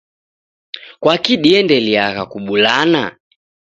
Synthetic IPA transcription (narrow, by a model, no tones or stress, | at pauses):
kwakiɗiɛndɛliaɣakuɓulana̰